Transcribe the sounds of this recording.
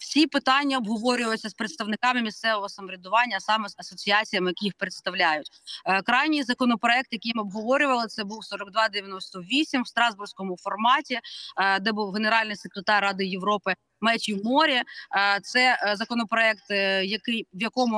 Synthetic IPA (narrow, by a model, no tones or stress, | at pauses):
wsʲipɪt̪ɑnʲːɐɔbɦɔʋɔɾʲʊjjet͡sʲːɐspɾet̪st̪ɐʋnɪkɑmɪmʲist̪sɛʋɔɦɔsɐmɔɾʲɪd̪ʊʋɑnʲːɐsɑmɛzɐsɔt͡sʲiɑt͡sʲijɐmɪjɐkijixpɾet̪st̪ɐwlʲajʊtʲkɾɑjnʲijzɐkɔnɔpɾɔɛk̚t̪jɐkijmɔbɦɔʋɔɾʲʊʋɐlˠɪt̪sɛbuwsɔɾɔɡ̚d̪ʋɑd̪eʋʲjɐnɔsʲt̪ɔʋʲisʲimwst̪ɾɑzbursʲkɔmʊfɔrmɑtʲid̪ɛbuwɦeneɾɑlʲnɪjsekɾet̪ɑrːɑd̪ɪjeʋɾɔpɪ | mɛt͡ʃʲiwmɔɾʲit̪sɛzɐkɔnɔpɾɔɛk̚t̪jɐkɪjʋjɐkɔmʊ